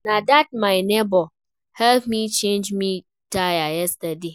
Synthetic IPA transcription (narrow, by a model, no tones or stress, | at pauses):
nadat̚maɪnebɔ | hɛlpmit͡ʃẽnd͡ʒmi | tajajɛstade